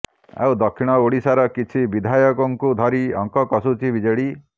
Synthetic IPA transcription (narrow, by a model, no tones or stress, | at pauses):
a̰wd̪ɔkʰːiɽ̃ɔoɽisaɾɔkit͡ʃʰibid̪ʱajɔkɔŋkud̪ʱɔɾiɔ̰ŋkɔkɔsut͡ʃʰibid͡ʒɔɽi